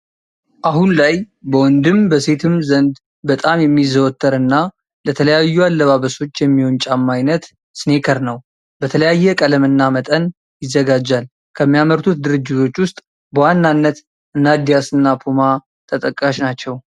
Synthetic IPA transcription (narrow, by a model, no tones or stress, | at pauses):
ʔaɦunlaj | bəwɔnd̪ɨmbəse̞t̪ʰɨmzənd̪ | bət̪ʼamjɛmːizəwɔt̪ːəɾɨnːa | lət̪ʰələjajːualːəβaβəso̞t͡ʃːjɛmːiho̞nt͡ʃʼamːajnət̪ | sɨne̞kʰəɾnəw | bət̪ʰələjajːɛkʼələmɨnːamət̪ʼən | jɪzːəɡad͡ʒːal | kʰəmːijaməɾt̪ʰut̪̚d̪ɨɾɨd͡ʒːɪt̪ʰo̞t͡ʃːwʊst̪ʼ | bəwanːanːət̪ | ʔɨnad̪ijasɨnːapʰoma | t̪ʰət̪ʼəkʼːaʃnat͡ʃːɛw